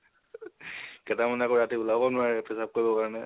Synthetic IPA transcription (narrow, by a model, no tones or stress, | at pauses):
kɛtamanɛakoɹatibulabɔnʊaɹpʰɛsap̚koɹibɔkaɹɔnɛ